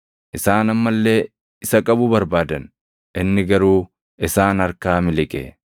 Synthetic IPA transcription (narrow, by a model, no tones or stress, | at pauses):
ʔɪsaːnɐmːɐlːe̞ː | ɪsɐkʼɐbʊbɐɾbaːd̪ɐn | ʔɪnːɪɡɐɾuː | ʔɪsaːnɐɾkaːmɪlɪkʼɛ̰